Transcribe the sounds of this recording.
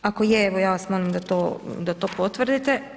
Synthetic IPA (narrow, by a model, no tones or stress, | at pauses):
ako̞jeeʋojaːsmonimd̪at̪oːd̪at̪o̞ːpo̞t̪ʋr̩d̪it̪e